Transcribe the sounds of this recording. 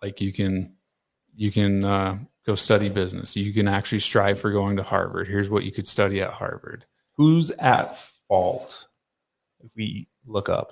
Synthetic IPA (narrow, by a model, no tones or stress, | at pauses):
laɪkjɨkʰɨ̃n | jɨkɨ̃nʌɡ̥oʊstʌɾibɪznɨ̰sjɨkɨ̃næk̚t͡ʃʉl̩ˠistɹ̥aɪv̥fə˞ɡoʊɪ̃ŋtəhɑ̰ɹvə̰˞d̚hɪɹzwʌt͡ʃɨ̰kɨd̥stʌɾiɨ̰t̚hɑ̰ɹvə̰˞d̥̚ | huzɨ̰tfɔlˠt | ɨfwi | lʊkʌ̰p̚